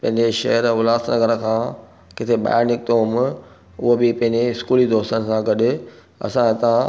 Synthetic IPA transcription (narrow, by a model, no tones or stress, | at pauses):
pɐ̃ɦɪ̃ɲd͡ʑeʃɐ̰ɦəɾʊlaːst̪nɐɡəɾəkʰãː | kɪt̪ʰeɓa̰ːjaɾnɪk̚t̪omɪ | ʊɦobɪpɐ̃ɦɪ̃ɲd͡ʑeɪskuːlid̪oːst̪ən̆sãɡɐɗʊ̆ | ɐ̰sãt̪ɐã